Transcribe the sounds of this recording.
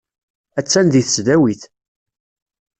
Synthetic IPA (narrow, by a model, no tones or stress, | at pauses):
æt͡sːænd̪iθə̥sd̪æwiθ